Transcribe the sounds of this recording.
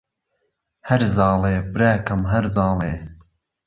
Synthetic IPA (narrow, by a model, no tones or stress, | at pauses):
hɐɾzɑːleːbɨɾaːkɐmɦɐɾzɑːleː